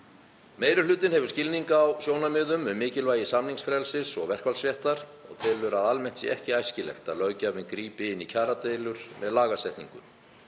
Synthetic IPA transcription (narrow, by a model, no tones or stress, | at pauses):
meːjɾʏlʏːt̪ɪnhɛvʏɾ̥scɪlniŋkaːwsjoːwnamɪːðʏmʏmːɪːcɪlvaːjɪsamniŋsfɾɛlsɪsɔɣvɛr̥kvalsvjɛht̪aɾ̥ɔ̰ɣt̪ʰɪlʏɾaðalmɛn̥t̪sḭɛhcɪaːjscɪlɛ̰xt̪a̰ðlœːɥcavɪnkɾiːpɪɪnːicʰaːɾat̪eːjlʏɾ̥mɛðlaːɣasɛht̪nḭŋkʏ̰n